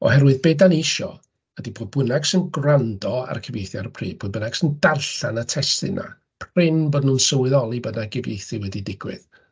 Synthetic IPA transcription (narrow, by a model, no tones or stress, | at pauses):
ɔ̰hɛɾwɨðbedanɪʃɔ̰ | ədiboːdbʊnaɡsɪnɡrandɔa̰rkʰəvjejθjaarpʰrḭːb̥oːd̚bənaɡ̥sɪndarɬanatʰɛstɨ̰nʔa̰ | pʰrɪnboːdnuːnsəwɨðɔlˠibədnaɡɪvjejθɨwɛdidɪɡ̥wɪ̰ð